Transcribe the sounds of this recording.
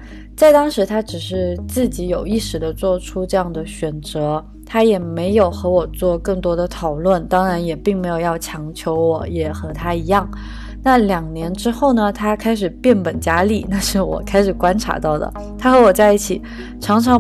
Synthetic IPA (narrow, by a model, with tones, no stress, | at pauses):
t͡sa˥˩ɪt̪ɑ˥ŋʂɻ̩˧˥t̪ʰa˥ʈ͡ʂɻ̩˨˩ʂɻ̩˥˧t͡sɹ̩˥˩t͡ɕi˧˥jo˨˩ʊi˥˩ʂɻ̩˨˩d̪ə˦t͡swɔ˥˩ʈ͡ʂʰu˥ʈ͡ʂɤ˥˧jɑ˥˩ŋd̪ə˩ɕɥɛ˨˩nt͡sɤ˧˥ | t̪ʰa˥jɛ˨˩me˧˥ɪjo˨˩ʊxɤ˧˥wɔ˨˩t͡swɔ˥˧kɤ˥˩ŋt̪wɔ˥d̪ə˨t̪ʰɑ˨˩ʊlwə˥˩nt̪ɑ˥ŋɻa˧˥njɛ˨˩pi˥˩ŋme˧˥ɪjo˨˩ʊjɑ˥˩ʊt͡ɕʰjɑ˧˥ŋt͡ɕʰjo˧˥ʊwɔ˨˩˥jɛ˨˩xɤ˧˥t̪ʰa˥i˧˥jɑ˥˩ŋ | na˥˩ljɑ˨˩ŋnjɛ˧˥nʈ͡ʂɻ̩˥xo˥˩ʊnə˩t̪ʰa˥kʰa˥ɪʂ̬ɻ̩˨˩pjɛ˥˩npə˨˩nt͡ɕja˥li˥˩na˥˧ʂɻ̩˥˩wɔ̰˨˩kʰa˥ɪʂɻ̩˨˩kwa˥nʈ͡ʂʰa̰˧˥t̪ɑ˥˩ʊd̪ə̰˩ | t̪ʰa˥xɤ˧˥wɔ˨˩t͡sa˥˧ɪi˥˩t͡ɕʰi˨˩˦ | ʈ͡ʂʰɑ˧˥ŋʈ͡ʂʰɑ˧˥